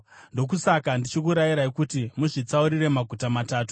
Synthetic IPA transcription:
ndo̞k̬usakandit͡ʃikuɾajiɾaikutimuʐit͡sauɾire̞maɡʱutamataːtu̥

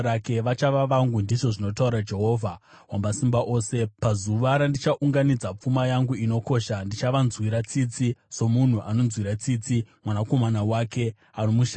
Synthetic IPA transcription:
ɾake̞ʋat͡ʃaʋaʋaŋɡundiʐo̞ʐino̞tauɾad͡ʒe̞ɦo̞ːvʱa | wamasimbaʔo̞ːse̞pazuʋaɾandit͡ʃaʔuŋɡanid͡zap͡fumajaŋɡuino̞ko̞ʃandit͡ʃaʋanzwiɾat͡sit͡siso̞mun̤uʔano̞nzwiɾat͡siːt͡simwanako̞manawake̞ | anomuʃa

